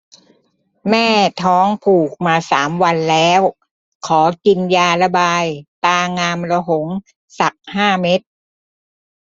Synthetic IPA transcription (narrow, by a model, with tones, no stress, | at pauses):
mɛː˥˩t̪ʰɔː˦˥ŋpʰuː˨˩k̚maː˧saː˩˦mwa˧nlɛː˦˥w | kʰɔː˩˦ki˧njaː˧la˧baː˧jt̪aː˧ŋaː˧mlɔ˧ɦo˩˦ŋ | sa˨˩k̚haː˥˩me˦˥t̪̚